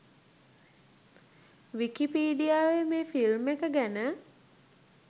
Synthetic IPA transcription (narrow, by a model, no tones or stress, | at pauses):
ʋikipiːɖijaːʋemeːfilmekəɡænə